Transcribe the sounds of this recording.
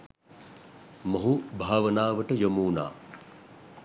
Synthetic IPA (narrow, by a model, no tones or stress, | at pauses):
moɦubʱaːʋənaːʋəʈəjomuːna̰ː